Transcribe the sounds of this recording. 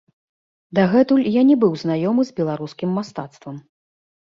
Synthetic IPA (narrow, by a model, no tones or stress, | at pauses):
d̪aɣɛt̪ulʲjanʲɛbɨwznajɔmɨzbʲɛlˠaɾuskʲimːast̪at̪st̪vɐm